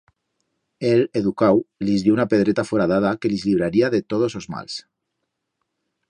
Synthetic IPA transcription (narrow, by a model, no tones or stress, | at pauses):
eleðukawlizðjounapeð̞ɾet̪afoɾaðaðakelizliβ̞ɾaɾiaðet̪oðozozma̰ls